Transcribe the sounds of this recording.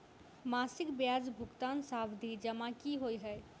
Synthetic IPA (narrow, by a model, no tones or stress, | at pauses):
maːsɪkbjaːd͡ʒbʱʊkt̪aːnsaːbd̪ʱid͡ʒɐmãkiɦoːiɦɛ